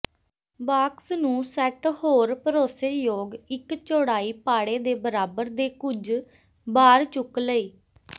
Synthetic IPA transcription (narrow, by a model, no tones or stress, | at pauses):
baːksnũːsɛʈhoːɾpəɾoːseːjoːɡɪkt͡ʃoːɽaːiːpaːɽeːd̪eːbəɾaːbəɾd̪eːkʊd͡ʒ | baːɾt͡ʃʊkləiː